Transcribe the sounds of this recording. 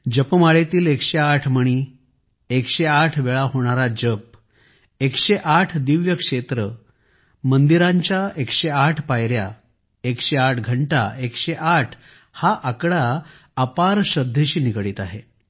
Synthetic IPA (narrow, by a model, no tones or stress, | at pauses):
d͡ʑəpmaɭet̪iːlekɕeaʈʰməɽ̃iː | ekɕeaʈʰʋeɭaɦoɽ̃aɾad͡ʑəp̚ | ekɕeʔaʈʰd̪iʋjəkʂet̪ɾə | mənd̪iɾaɲt͡ɕjaekɕeaʈʰpajɾja̰ | ekɕeaʈʰɡʱəɳʈa̰ʔekɕeʔaʈʰ | haʔakɽaː | paɾɕəd̪ʱːeɕiːnikɽiːt̪aɦe